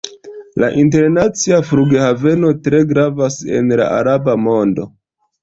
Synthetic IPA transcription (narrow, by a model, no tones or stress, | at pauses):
laʔint̬e̞ɾnat͡siafɾuɡehave̞no̞tɾe̞ɡɾavase̞̰nla̰ʔa̰ɾabamo̞ndo̞